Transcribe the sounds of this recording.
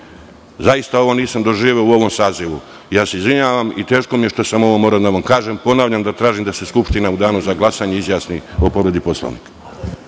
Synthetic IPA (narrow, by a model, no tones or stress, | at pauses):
zaist̪ao̞ʋo̞niːsamd̪o̞ʒiːʋeouo̞ʋo̞msaːziʋu | jaːse̞izʋiɲaːʋamit̪e̞ːʃko̞mije̞ʃt̪o̞samo̞ʋomoːɾaod̪aʋamkaːʒempo̞naːʋʎamd̪at̪ɾaːʒimd̪aseskupʃt̪inaud̪aːnuzaɡlˠasaɲeizjaːsniopoɾe̞d̪ipo̞slo̰ʋnḭːk